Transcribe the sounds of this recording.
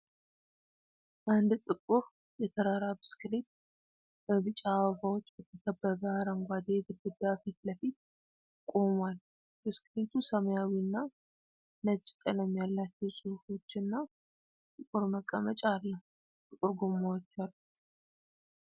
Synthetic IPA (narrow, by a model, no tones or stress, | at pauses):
ʔand̪t̪ʼɨkʼːuɾ | jɛt̪ʰəɾaɾabɨ̥skɨlet̪̚ | b̥əβɨt͡ʃʼawfawot͡ʃːbət̪ʰəkʰəbːəβəhaɾaŋɡʷad̪jɛɡɨd̪ɨd̪afit̪ləfit̪̚ | kʼo̞mwal | b̥ɨskɨlet̪ʰusəməjawinːa | nət͡ʃʼːkʼələmːjalːat͡ʃːɛwsʼɨfo̞t͡ʃːɨnːa | t̪ʼɨkʼuɾməkʼːəmət͡ʃʼalːəhu | t̪ʼɨkʼuɾɡumawɔt͡ʃːalːut̪